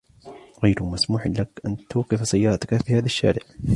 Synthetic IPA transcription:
ɣajɾʊmasmuːħɪnlakʔant̪uːqɪfsajːɑːɾˤɑt̪akafiːhaːðaʃːa̰ːɾɪʕ

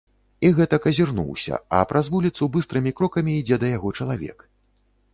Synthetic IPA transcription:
iɣɛt̪ɐkɐzʲirnṵwsʲɐ̰ɐ̰pɾʔazvulʲit̪subɨst̪ɾɨmʲikɾɔkɐmʲiːd͡zʲɛd̪ɐjaɣɔt͡ʂɐlˠavʲɛ̰k

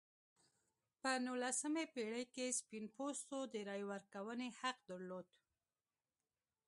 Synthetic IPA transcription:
pənulasəmepeɽəjkespinpost̪od̪əɾɑjwəɾkawənehaqd̪əɾlod̪

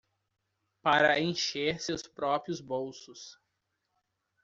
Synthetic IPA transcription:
paɾɐẽj̃ʃeɾsewspɾɔpɾijʊzbowsʊs

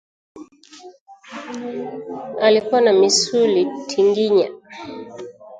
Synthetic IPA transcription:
alikuanamisulitʰiŋɡiɲa̰

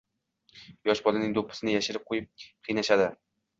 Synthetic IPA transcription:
jɒʃbɒlɪnɪŋd̪opʰːɪ̥sɪnɪjaʃɪɾɪp̚qʰojɪp̚qʰɨjnaʃad̪ɪ

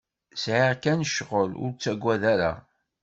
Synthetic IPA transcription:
sʕiʁkænəʃʁəlʊ̰ɾt͡sːæɡʷːæðæɾa̰

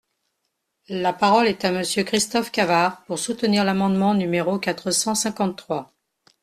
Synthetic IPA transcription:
lapaʁɔlɛt̪aməsjøkχist̪ɔfkʲavaʁpuʁsut̪əniʁlamɑ̃d̪mɑ̃nymeʁokat̪χəsɑ̃sɛ̃kɑ̃t̪ːχwa

